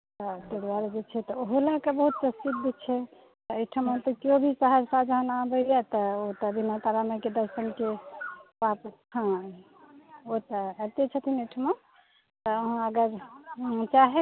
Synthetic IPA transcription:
t̪ɔt̪ed̪aɾed͡ʒet͡ʃʰɛt̪ɔoɦolakebəɦut̪̚t͡ʃəst̪it̪̚d̪et͡ʃʰɛ | t̪ɔeʈʰəmə̃nt̪əkjobʱisəɦəɾsad͡ʒɦənabəjɛt̪əot̪əbʱinat̪aɾaməked̪əɾsənkepap | hã | ot̪əət̪et͡ʃʰət̪ʰineʈʰəme | t̪ɔɦãəɡəɾ | t͡ʃaɦe

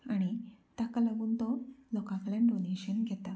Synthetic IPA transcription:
aɽ̃it̪akalaɡuːnt̪ɔlɔkãklãnɖoneɕənɡʱɛt̪a

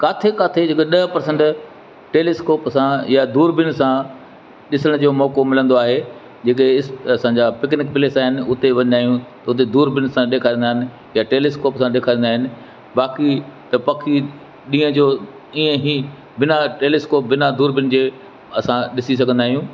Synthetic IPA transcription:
kaːt̪ʰekaːt̪ʰed͡ʑeːkeɗɐɦpɐɾsə̃ɳʈ | ʈeːleːskoːpsãjad̪uːɾbɪnɪsã | ɗɪsəɽ̃ʊd͡ʑoːmɔːkomɪlə̃nd̪oaːɦe | d͡ʑeːk̬eɪsɐsãɲd͡ʑapɪknɪkpɪleːsaːɦɪnɪ̆ʊt̪eʋɐ̃ɲ̃d̪aːɦijũt̪ɐʊt̪̬ed̪uːɾbɪnsãɗeːkʰaːɾĩːnd̪aːɦɪnɪ̆ | jaʈeːleːskoːpsãɗeːkʰaːɾĩnd̪aːɦɪnɪ̆ | ɓaːkit̪ɐpɐkʰi | ɗĩːə̃d͡ʑoː | iːə̃ɦi | bɪnaʈeːleːskoːp̚bɪnad̪uːɾbɪn̆d͡ʑeː | ɐsãɗɪsis̬ɐɡʱə̃nd̪aːɦijũː

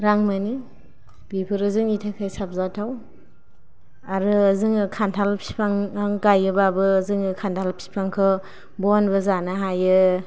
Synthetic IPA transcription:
ɾaŋmani | b̥ipʰɯɾɯzɯŋitʰakʰajsap̚zatʰaw | aɾɯzɯŋɯkʰantʰalpʰi̥pʰaŋaŋɡajɯbabɯzɯŋɯkʰantʰalpʰi̥pʰaŋkʰɯ | bɔnbɯzanaɦajɯ

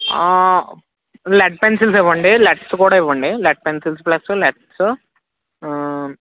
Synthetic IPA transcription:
a | leʈ̚pensilsiʋːɐɳɖileʈsukuːɽaːiʋːɐɳɖileʈ̚pensilsuplɐsuleʈsu

